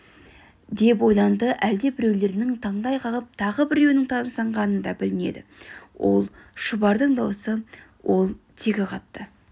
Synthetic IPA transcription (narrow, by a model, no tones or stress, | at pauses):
d̪e̞p̬o̞jlˠɑnd̪əʔæld̪e̞bɪɾe̞wle̞ɾɪnɪŋt̪ʰɑɴd̪ɑjqʰɑlˠəp̚t̪ʰɑʁəbɪɾewnɪŋt̪ʰɑnəsɑɴʁɑnənd̪ɑbɪlɪne̞̰d̪ɪ̰wo̞̰lˠʃʊbɑɾd̪əɴd̪ɑwəsə | wʔo̞lˠt̪ʰekʲɪqʰɑt̪ːə